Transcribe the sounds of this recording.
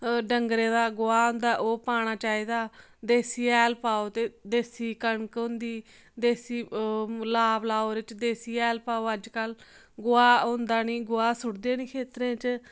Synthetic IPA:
ɖəŋɡɾẽːd̪aːɡʊaːɦʊ̃nd̪aːʔoːpaːɽ̃aːt͡ʃaːiːd̪aː | d̪eːsiːɛːlpaːoːt̪eːd̪eːsiːkəɳkɦʊ̃nd̪iː | d̪eːsiːlaːblaːoːɾɪt͡ʃd̪eːsiːɛːlpaːoːəd͡ʒkəl | ɡʊaːʊ̃nd̪aːnĩːɡʊaːsʊɽd̪eːnĩːkʰeːt̪ɾẽːt͡ʃ

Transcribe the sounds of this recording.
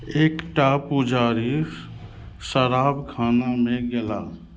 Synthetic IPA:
eːkʈapʊd͡ʒaːɾi | səɾaːbkʰaːnamẽɡela̰

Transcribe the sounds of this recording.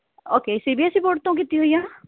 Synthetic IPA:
oːkeːsibiesɾipoːʈ̚t̪õk̬it̪iɦoijã

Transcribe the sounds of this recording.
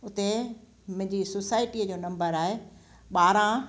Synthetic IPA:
ʊt̪e | mʊ̃ɦɪ̃ɲd͡ʑisoːsaːɪʈiəd͡ʑoːnɐ̃mbəɾaːɦe | ɓaːɾã

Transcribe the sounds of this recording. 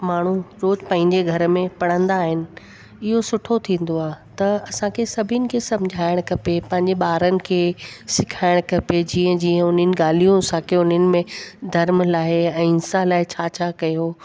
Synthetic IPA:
maːɳ̤uɾoːzpɐ̃ɦɪ̃ɲd͡ʑeɡʱɐɾə̆mẽpɐɽ̤ə̃nd̪aːɦɪnɪ̆ | ɪɦosʊʈʰot̪ʰĩːn̆d̪oaːt̪ɐɐsãkʰesɐbʱɪnɪ̆kʰesɐ̃md͡ʑʱaːɪɽ̃kɐpepɐ̃ɦɪ̃ɲd͡ʑeɓaːɾənɪ̆kʰeːsɪkʰaːɪɽ̃kɐped͡ʑiːə̃d͡ʑiːə̃ʊn̤ənɪ̆ɠaːl̤ijũsãːkʰeʊn̤ənɪ̆mẽd̪ʱɐɾmlaːeɛ̃ːɪnsalaːɪt͡ɕʰaːt͡ɕʰaːkɐjo

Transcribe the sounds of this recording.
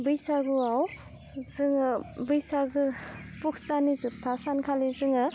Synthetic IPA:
bɯjsaɡuaw | zɯŋbɯjsaɡɯ | pukstanizup̚tʰasankʰalizɯŋɯ

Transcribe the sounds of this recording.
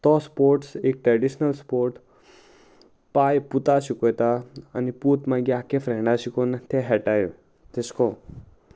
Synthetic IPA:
t̪ɔspoːɾʈseːk̚ʈɾeɖiʃnəlspoːɾʈ | pajput̪asikot̪aəniput̪mãɡjakefɾɛ̃ɳɖasikont̪ʰeɦɛʈajo | t̪eskõ

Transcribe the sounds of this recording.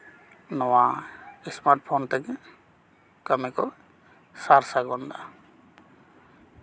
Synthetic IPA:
nɔwaismaɾʈ̚pʰɔnt̪ək | kəmɛkɔ | saɾsaɡɔnd̪a̰

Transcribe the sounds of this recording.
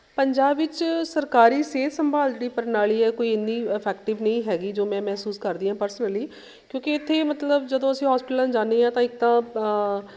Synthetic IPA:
pəɲd͡ʒaːbʋɪt͡ʃsəɾkaːɾiːseːt̪səmbaːld͡ʒɽiːpəɾnaːɭiːɛːkoːiːɪnːiːəpʰɛːkʈɪʋnəĩːɦɛːɡiːd͡ʒoːmɛ̃ːmɛːsuːskəɾd̪iːɦãːpəɾsənəliː | kjõːkɪɪt̪ʰːeːmət̪ləbd͡ʒəd̪õːəsĩːɦɔːspɪʈlãːd͡ʒaːneːãːt̪ãːɪk̚t̪ãː

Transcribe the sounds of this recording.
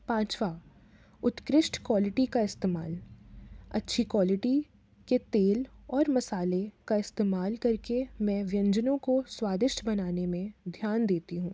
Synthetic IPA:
pãːt͡ʃwaː | ʊt̪kɾɪʃʈkwaːlɪʈikaɪst̪eːmaːl | ɐ̰tːʃʰikwaːlɪʈi | ket̪eːlɔːɾmɐsaːlekaɪst̪eːmaːlkɐɾkemɛ̃ːʋjɐ̃ɲd͡ʒənõkoswaːd̪ɪʃʈbɐnaːnemẽd̪ʱjaːnd̪eːt̪iɦũː

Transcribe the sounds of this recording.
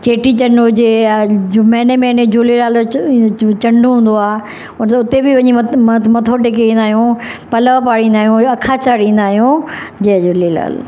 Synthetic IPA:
t͡ɕeːʈit͡ɕɐ̃ɳɖod͡ʑe | mɛ̃ːnemẽɪned͡ʑolilaːl | t͡ɕɐ̃ɳɖuɦũːn̆d̪oaː | ʊnt̪ʊt̪ebɪʋɐɲimɐt̪ʰoʈɪkeĩːnd̪aːɦijũpɐləʋpaːɽĩːn̆d̪aːɦijũɐkʰat͡ɕaɽĩːn̆d̪aːɦijũd͡ʑẽd͡ʑoːlila̰ːl

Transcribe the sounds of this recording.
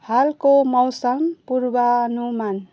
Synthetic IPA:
halkomʌwsʌmpuɾbanuman

